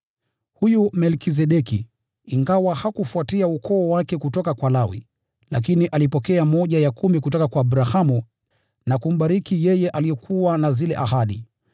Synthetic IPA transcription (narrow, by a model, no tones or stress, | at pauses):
hujumɛlkis̬ɛɗɛkiː | ŋɡawahakufuatiaukʰɔːwakɛkutɔkakwalawḭ | la̰k̬iniʔalipɔkɛamɔʄajakumikutɔkakwaːɓɾahamu | nakum̩ɓaɾikijɛjɛʔalijɔkʰuwanazilɛ̰ʔahaɗi